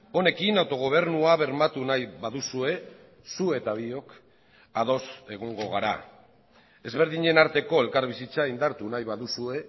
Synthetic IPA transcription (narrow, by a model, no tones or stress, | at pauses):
o̞ne̞kinawt̪o̞ɣ̞o̞β̞e̞ɾnuaβe̞ɾmat̪unajβaðusue̞ | sue̞t̪aβ̞io̞k | aðo̞se̞ɣ̞oŋɡo̞ɣaɾa̰ | e̞zβe̞ɾðiɲe̞naɾt̪e̞ko̞e̞lkaɾβisit͡saind̪aɾt̪unajβaðusue̞